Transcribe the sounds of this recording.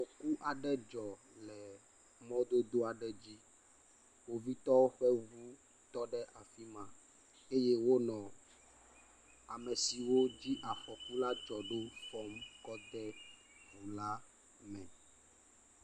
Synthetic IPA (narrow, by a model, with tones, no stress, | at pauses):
ɸɔ˨ku˦ʔa˨ɖɛ˦d͡ʒɔ˨ | lɛ˨ | mɔ̃˦d̪o˦d̪o˦a˨ɖɛ˨d͡ʑi˦ | wo˦vi˦t̪ɔ˦wo˦ɸɛ˦vu˦ | t̪ɔ˦ɖɛ˦ʔa˨fi˦mã˨ | e˦je˦wo˦nɔ̃˨ | a˨mɛ˨si˨wo˦d͡ʑi˦ʔa˨ɸɔ˨ku˦la˦d͡ʒɔ˨ɖo˦fɔ˦mkɔ˦d̪ɛ˦ | vu˨la˦ | mɛ̃˨